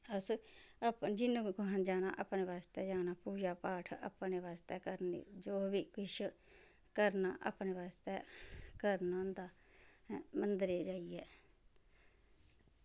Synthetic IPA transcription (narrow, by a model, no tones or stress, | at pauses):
əsəpd͡ʒɪnũːkʊɦãːd͡ʒaːna̰ːʔəpneːʋaːst̪ɛːd͡ʒaːnaːpuːd͡ʒaːpaːʈʰə̰pneːʋaːst̪ɛːkəɾnḛːd͡ʒoːʋiːkɪʃ | kəɾnaːʔa̰pneːʋaːst̪ɛːkəɾnãːnd̪aː | mənd̪ɾeːd͡ʒaːiɛː